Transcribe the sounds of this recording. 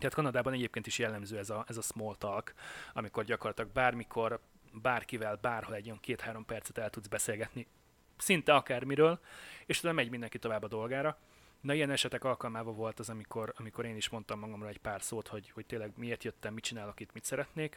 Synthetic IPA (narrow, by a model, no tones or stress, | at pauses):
t̪ɛaːt̪kɒnɒd̪aːbɒnɛɟeːp̚keːnt̪iʃjɛlːɛmzøːɛzɒɛzɒsmolt̪ɒlkɒmiko̞rɟɒkorlɒt̪ilɒɡ̚baːrmikʰo̞r | baːrkivɛlbaːrho̞lɛɟːojɒŋkeːt̪haːɾo̞mpɛrt̪sɛ̥t̪ɛlt̪ud̪zbɛseːlɡɛt̪ni | sint̪ɛɒkaːrmiɾøːleːʃzamɛɟmind̪ɛŋkit̪o̞vaːbːɒd̪o̞lɡaːɾɒ | nɒijɛnɛʃɛt̪ɛkɒlkɒlmaːvɒvo̞lt̪ɒzɒmikʰo̞ɾɒmiko̞ɾeːniʃmo̞nt̪ɒmːɒɡɒmroːlɛcpaːrsoːt̪ho̞ɟho̞ct̪eːlːɛɡmieːrt̪jøt̪ːɛmːit͡ʃinaːlokit̪mit̪sɛɾɛt̪neːk